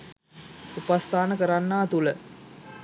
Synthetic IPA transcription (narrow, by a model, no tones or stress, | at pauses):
upast̪aːnəkəɾanːaːt̪ulə